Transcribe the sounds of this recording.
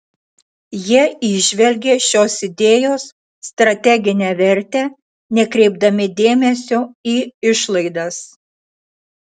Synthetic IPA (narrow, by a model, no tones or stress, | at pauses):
jiɛɪʒʲʋʲɛlʲɡʲeːʃʲoːsɪd̪ʲeːjoːsː | t̪ɾɐt̪ʲɛɡʲɪnʲæːʋʲɛɾʲt̪ʲæː | nʲɛkɾʲɛɪb̚d̪ɐmʲɪd̪ʲeːmʲɛsʲoːiːɪʃlˠɐɪd̪ɐs